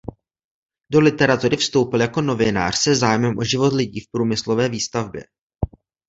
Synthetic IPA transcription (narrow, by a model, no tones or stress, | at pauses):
do̞lɪt̪ɛɾat̪uɾɪfst̪o̞wpɪljako̞no̞vɪna̰ːr̥sɛzaːjmɛmʔo̞ʒɪvo̞t̪lɪɟiːfpɾuːmɪslovɛːviːst̪avbjɛ̰